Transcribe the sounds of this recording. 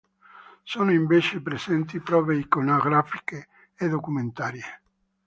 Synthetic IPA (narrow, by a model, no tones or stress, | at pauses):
soːnoiɱvet͡ʃepɾesɛnt̪ipɾɔːveikonoɡɾafi̥keː | d̪okument̪aːɾje